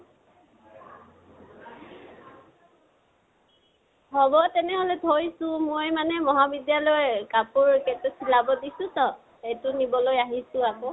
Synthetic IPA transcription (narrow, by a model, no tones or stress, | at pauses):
ɦɔbɔtɛnɛɦɔlɛtʰojsʊ̃mojmanɛmɔɦabidjalɔjkapuɹketɛsilabɔdisʊ̃tɔ | ejtʊnibɔlojaɦisʊ̃akɔ